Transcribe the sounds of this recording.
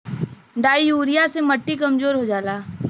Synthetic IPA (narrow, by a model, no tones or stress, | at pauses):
ɖaːijuːɾijasemɐʈːikɐmzoːɾɦod͡ʒaːlaː